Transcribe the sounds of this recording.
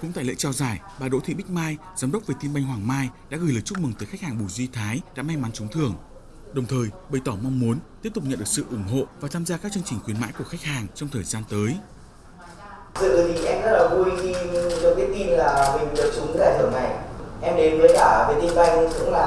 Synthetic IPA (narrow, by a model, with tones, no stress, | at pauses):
kʊ̰˧˥ŋ͡mt̪a̰˧˨lḛ˧˥t͡ɕɔ˧zaː˧˩j | ɓaː˨˩ɗo̰˧˥t̪ʰḭ˧˨ɓï˦˥k̟̚maː˧j | zaː˨˦mɗə˦˥k͡p̚veː˨˩t̪i˧nɓa˧jŋ̟ɦwaː˨˩ŋmaː˧jɗa̰ː˧˥ɣɨ˨˩ləː˨˩t͡ɕʊ˦˥k͡p̚mɨ˨˩ŋt̪əː˨˦xa˦˥k̚haː˨˩ŋɓu˧˩jzwi˧t̪ʰaː˨˦jɗa̰ː˧˥ma˧jma˨˦nt͡ɕʊ˨˦ŋ͡mt̪ʰɨ˨˩əŋ | ɗə˨˩wŋ͡mt̪ʰəː˨˩jɓə˨˩jt̪ɔ˧˩ma˧wŋ͡mmu˨˦ənt̪i˦˥p̚t̪ʊ˨˩k͡p̚ɲə̰˧˨nɗɨ˨˩sɨ̰˧˨ʔʊ˧˩ŋ͡mɦo̰˧˨vaː˨˩t̪ʰaː˧mzaː˧kaː˦˥k̚t͡ɕɨ˧əŋt͡ɕï˨˩ŋ̟xwi˨˦əma̰ː˧˥jku˧˩əxa˦˥k̟̚haː˨˩ŋt͡ɕɔ˧wŋ͡mt̪ʰəː˨˩jzaː˧nt̪əː˨˦j | zɨ̰˧˨˩t̪ʰi˨˩ʔɛ˧mzə˦˥t̚laː˨˩vu˧jxi˧ɗɔ˧˩t̪i˦˨˦t̪i˧nlaː˨˩mi˨˩˨ɗə˨˩k̚t͡ɕʊ˨˦ŋ͡mzaː˧˩t̪ʰɨː˧˩əna˨˩jʔɛ˧mɗe˨˦nvəː˨˦jlaː˧˩ve˨˩t̪i˧nɓa˧jŋ̟zɨ̰˧˥ŋ͡mlaː˨˩